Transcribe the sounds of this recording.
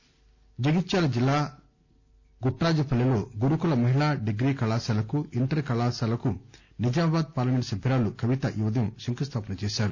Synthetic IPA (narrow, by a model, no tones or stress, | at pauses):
d͡ʒɐɡit̪ːʃaːlɐd͡ʒilːaː | ɡuʈːɾaːd͡ʒɐpɐlːilo̞ːɡuɾukulɐmɐɦiɭaːɖeɡɾiːkɐlaːsaːlɐkuiɳʈɐɾkɐlaːsaːlɐku | nɐd͡ʒaːbaːd̪̚paːɾlɐmeɳʈsɐbʱiɾaːlukʰɐʋit̪ɐʔiʋɐd̪ɐmsuŋkɐst̪ʰaːpɐnɐt͡ʃeːʃaːɾu